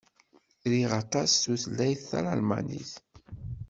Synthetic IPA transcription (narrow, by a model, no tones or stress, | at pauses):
ɾiʁɑt̪ˤɑsθuθlːæjθːæ̰ɾalma̰nḭθ